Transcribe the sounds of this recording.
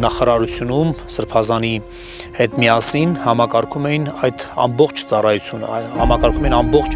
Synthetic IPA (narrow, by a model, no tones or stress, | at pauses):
nɑχɑɾɑɾut͡sʰjunumsəɾpʰɑzɑni | hɛt̪mijɑsinhɑmɑkɑɾkʰumɛjinɑjd̪ɑ̰mbɔχt͡ʃʰt͡sɑrɑjut͡sʰjunə̰hɑmɑkɑɾkʰumɛjinɑmbɔχt͡ʃʰ